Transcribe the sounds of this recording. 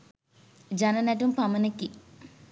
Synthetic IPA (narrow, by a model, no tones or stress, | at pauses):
d͡ʒɐnɐnɐʈumpɐmɐnɐkːi